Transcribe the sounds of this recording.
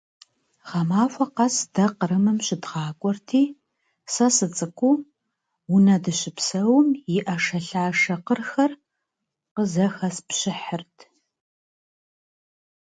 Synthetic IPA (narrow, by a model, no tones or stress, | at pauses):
ʁɐmaːfʷɐqɐsd̥ɐqəɾɨmɨmɕɪdʁɑːkʷʼɔrtʰiː | sɐsɨt͡sʼɨkʷʰʼuː | wʊnɐdɨɕɪpsɐwmjɪʔɐʂɐɬaːʂɐqərxɐr | qəzɐxɐspɕɪħərtʰ